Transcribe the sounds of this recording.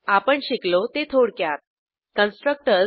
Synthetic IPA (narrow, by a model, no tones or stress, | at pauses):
apəɳɕiklot̪et̪ʰoɽkjat̪̚ | kənsʈɾək̚ʈə